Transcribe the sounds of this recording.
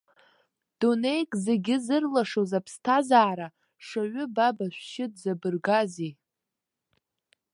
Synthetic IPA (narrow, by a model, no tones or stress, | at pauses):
d̥une̞jkʼze̞ɡʲɪzɨrlaʂozapʰstʰazaːɾa | ʂaɥʏbabaʃʷʃɪd̚ʼzabɨrɡazi